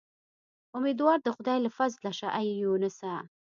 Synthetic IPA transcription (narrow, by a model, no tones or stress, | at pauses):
ʔʊmid̪wɑːɾd̪əxʊd̪ɑːjləfazlaʃaʔajjunəsa